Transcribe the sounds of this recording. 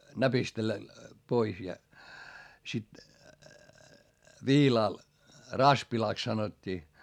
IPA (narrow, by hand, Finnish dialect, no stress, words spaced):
næpistelːæ pois jɑ sit ʋiːlɑˑl rɑspilɑˑks sɑnotʲːiː